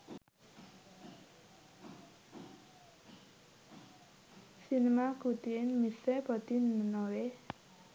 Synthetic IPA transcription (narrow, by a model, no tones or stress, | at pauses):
sinemaɡ̥ud̪iɪnmisebɔd̪̥inənowe